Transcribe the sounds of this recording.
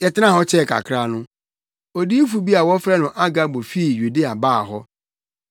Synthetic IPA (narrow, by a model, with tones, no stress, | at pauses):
jɛ˨tɪ˦ã˦˨ɦɔ˦t͡ɕʰɛ˦˨kʰa̰˨kʰɾa˦nʊ̃˦ | o˨di˦fu˨bi˦a˨wɔ˦fɾɛ˦nʊ̃˨ʔa˦ɡa˦bo˨fi˦˨ju˨de˦a˨baː˦˨ɦɔ˦